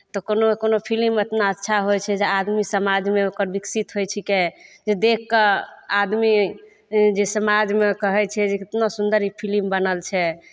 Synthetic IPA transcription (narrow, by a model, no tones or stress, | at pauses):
t̪ɔkonokonopʰilimet̪naətːʃʰaɦojt͡ʃʰɛd͡ʒead̪misəmad͡ʒmeokəɾbiksit̪ɦojt͡ʃʰiked͡ʒed̪ekʰːead̪mi | d͡ʒesəmad͡ʒmekəɦɛt͡ʃʰɛd͡ʒeet̪nosund̪əɾipʰilimbənəlt͡ʃʰɛ